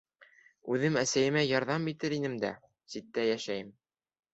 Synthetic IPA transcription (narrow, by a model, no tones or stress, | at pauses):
ʉðɘmæsæjɘ̆mæjɑɾðɑmit̪ɘɾinɘmd̪æ̰ | sit̪ːæjæʃæjɘm